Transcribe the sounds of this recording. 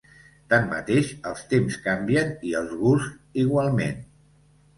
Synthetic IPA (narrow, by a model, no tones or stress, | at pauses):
t̪anːə̰t̪eʃəlˠst̪emskambiəniəlˠzɣusiɣwalˠmḛn